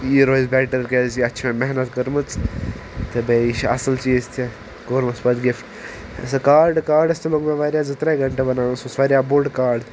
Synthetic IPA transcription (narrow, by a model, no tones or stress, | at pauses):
iɾoːzbɛːʈəɾkesiɐtːʃʰmẽmɛɦnɐt̪kɐɾmɨt͡s | t̪ɐbeiʃɐ̰səlt͡ʃiːzt̪ʰe | ɡoːɾmɐspɐt̪ɡifʈ | sɐkaːɾɖkaːɾɖɐst̪ʰeloːɡmẽʋaːɾjaːzɐt̪ɾeɡʱɐɳʈebɐnãːsõsʋaːɾjaboɾɖkaːɾɖ